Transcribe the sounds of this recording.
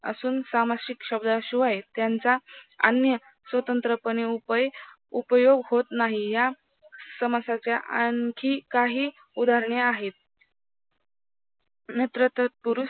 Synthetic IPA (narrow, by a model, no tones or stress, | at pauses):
ə̰suːnsamaɾɕikɕəbd̪aɕuʋajet̪jant͡saə̰njə | sʋət̪ənt̪ɾəpəne | upəjoɡɦot̪naɦija | səməsat͡ɕjaʔaŋkʰiːkaɦiː | ud̪ʱaɾɳeaɦet̪̚ | mjət̪ɾət̪ət̪̚puɾu